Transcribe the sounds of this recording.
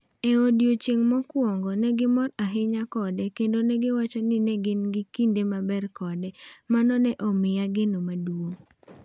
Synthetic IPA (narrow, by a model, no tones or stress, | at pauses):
ɛodjot͡ʃeŋmɔkwɔŋɡɔnɛɡɪmɔɾaɦɪɲakɔdɛkendonɛɡɪwat͡ʃɔnɪnɛɡɪnɡɪkindemabɛrkɔdɛmanɔnɛʔɔmɪjaɡɪnomaduo